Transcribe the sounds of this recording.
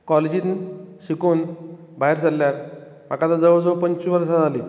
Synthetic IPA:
kɔled͡ʑit̪ɕikuːn | baɦeɾsəlːjaɾ | m̤a̰kat̪ad͡zəʋəd͡zəwpəɲt͡ɕuʋəɾsad͡zali

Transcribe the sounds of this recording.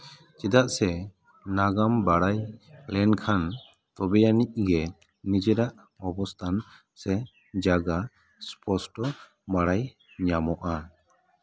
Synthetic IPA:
t͡ʃid̪aʔsɛ | naɡambaɽajplɛnkʰan | t̪ɔbɛjanic̚ɡɛ | nid͡ʒɛɾaʔ | ɔbɔst̪ʰan | sɛ | d͡ʒaɡa | spʰɔsʈɔ | maɽaj | ɲamɔʔa

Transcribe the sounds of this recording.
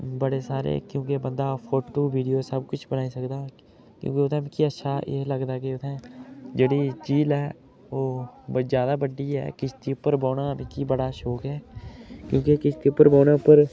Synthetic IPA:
bəɽesaːɾḛːkjõːkebə̃nd̪aːpʰoːʈːuːʋiːɖijoːsəb̚kʊt͡ʃʰbənaːisəkd̪aː | kjõ̰ːkeʊt̪ʰɛ̃m̃ːkiətːʃʰaːeːləɡd̪aːkeʊt̪ʰɛ̃d͡ʒeːɽid͡ʒiːlɛː | oːbd͡ʒjaːd̪aːbəɖiɦɛ̰ːkɪt͡ʃʰt̪iʊpːəɾboːnaːmẽkibəɽaːʃoːkɦɛːkjõːkekɪt͡ʃt̪iːʊpːəɾbaːnapəɾ

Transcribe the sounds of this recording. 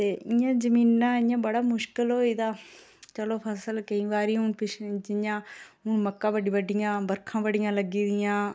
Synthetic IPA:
t̪eːɪjãːzəmiːnːãːɪjãːbəɽaːmʊʃkɪlɦoːiːd̪aː | t͡ʃəloːpʰəsəlkəĩːʋaːɾiːʊnpɪʃd͡ʒɪjãːʊɳməkːãːbəɖiːʋəɖɪjãːbəɾkʰãːʋəɖɪjãːləɡiːd̪ɪjãː

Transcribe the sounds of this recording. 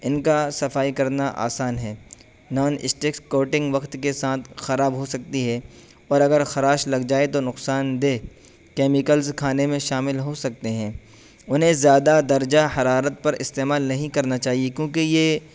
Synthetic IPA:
ɪnkasɐfaːikɐɾnaʔa̰ːsaːnɦɛː | nɔːnɪ̰sʈeːkskoːʈɪ̃ŋɡʋɐqt̪kesaːt̪ʰxɐɾaːbɦosɐk̚t̪iɦɛ | ɔːɾɐɡəɾxɐɾaːʃlɐɡd͡ʒaːet̪onʊqsaːnd̪eː | kɛːmɪkəlzkʰaːnemẽʃaːmɪlɦosɐk̚t̪eɦɛ̃ː | ʊnɦẽzjaːd̪ad̪ɐɾd͡ʒahɐɾaːɾət̪̚pɐɾɪst̪eːmaːlnɐɦĩkɐɾnat͡ʃaːɦiekjõːk̬ejeː

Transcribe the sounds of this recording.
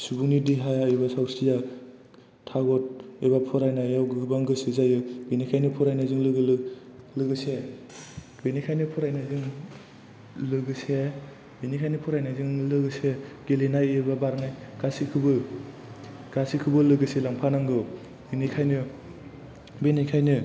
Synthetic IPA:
subuŋnidiɦajajbasawsija | tʰaɡɔt̚ebapʰɔɾajnajawɡɯbaŋɡɯsɯzajɯɡenikʰajnɯpʰɔɾajnazɯŋlɯɡɯlɯ | lɯɡɯse | ɡenikʰajnɯpʰɔɾajnaziŋ | lɯɡɯse | benikʰajnɯpʰɔɾajnaziŋlɯɡɯseɡelenajebabaɾŋajɡ̥asikʰɯbɯ | ɡ̥asikʰɯbɯlɯɡɯselaŋpʰanaŋɡɯw | bɯnikʰajnɯ | benikʰajnɯ

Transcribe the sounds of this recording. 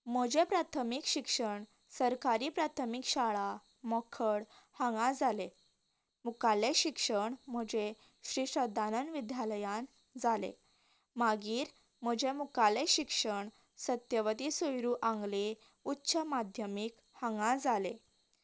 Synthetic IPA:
m̤əd͡ʑepɾat̪ʰəmikɕikʂəɳ | səɾkaɾiːpɾat̪ʰəmikɕaɭa | mɔkʰəɽhãŋɡãd͡zale | mukaleɕikʂəɳm̤əd͡ʑe | ɕɾiʂəd̪ʱanənʋid̪jaləjãn | d͡zalḛ | maɡiːɾ | m̤əd͡ʑemukaleɕikʂəɳ | sət̪jəʋət̪isujɾuʔãŋɡle | utːɕʰəmad̪ʱjəmik | hãŋɡãd͡zale

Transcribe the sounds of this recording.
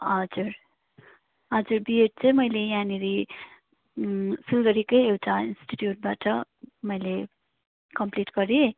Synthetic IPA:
ɦʌd͡zuɾ | ɦʌd͡zuɾbieʈ̚t͡sʰʌ̃jmʌjlejaniɾi | silɡʌɾikʌjewʈʰainsʈiʈjuʈ̚baʈʌmʌjle | kʌmpliʈɡʌɾi

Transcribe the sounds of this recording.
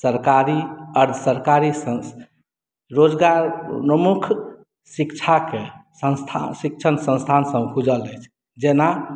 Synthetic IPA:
səɾkaɾiəɾd̪ʱsəɾkaɾisə | ɾod͡ʒɡaɾpəmukʰ | sikt͡ʃʰakesəst̪ʰa̰sik̚t͡ʃʰənsə̃nst̪ʰansə̃mkʰud͡ʒələjt͡ʃʰ | d͡ʒena

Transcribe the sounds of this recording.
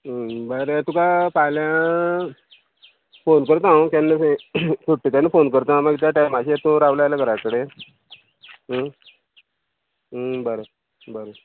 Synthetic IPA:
bəɾət̪ũkapaljã | fonkəɾt̪ãwkanːeesuʈːit̪anːifonkəɾt̪ãmaɡt̪̬jaʈajmaɕiat̪ũɾaʋləajləɡʱəɾakəɽe | bəɾə | bəɾə

